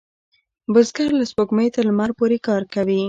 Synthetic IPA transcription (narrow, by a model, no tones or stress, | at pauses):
bʊzɡaɾlaspoɡməjt̪əɾmaɾpoɾekɑɾkawi